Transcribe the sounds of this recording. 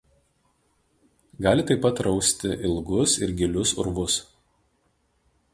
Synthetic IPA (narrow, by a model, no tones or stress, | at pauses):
ɡɑːlʲɪt̪ɐɪpːɐt̪ɾɒʊsʲt̪ʲɪʔɪlˠɡʊsɪɾɡʲɪlʲʊsʊ̰ɾʋʊs